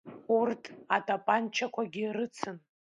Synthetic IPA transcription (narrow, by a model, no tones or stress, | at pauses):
urtʰʼatʼapʼant͡ʃʰakʷʰaɡʲiɾɨt͡sʰɨn